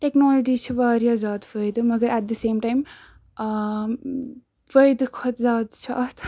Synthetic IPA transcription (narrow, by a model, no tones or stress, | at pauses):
ʈeknɔːlɔd͡ʒiːt͡ʃʰiʋaːɾijaːzaːd̪fəjd̪ɨmɐɡɐɾæʈ̚d̪ɐseːmʈajm | fəjd̪ɨkʰɐt̪zaːd̪t͡ʃʰat̪